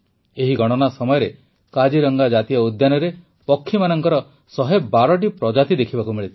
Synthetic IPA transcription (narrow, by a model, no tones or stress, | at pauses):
eɦiɡʱɔɽ̃ɔnasɔmɔjɔɾe | kad͡ʒiɾɔŋɡad͡ʒat̪iɔud̪janɔɾe | pɔkʰːimanɔŋkɔɾɔ | sɔɦebaɾɔʈ̬ipɾɔd͡ʒat̪id̪ekʰibakumiɭit̪ʰi̥